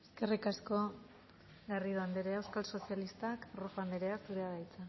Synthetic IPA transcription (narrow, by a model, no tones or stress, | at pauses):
e̥ske̞rikasko̞ | ɡariðoand̪eɾeaewskalso̞sialist̪akrofand̪eɾeakd̪uɾeaɣajt͡sa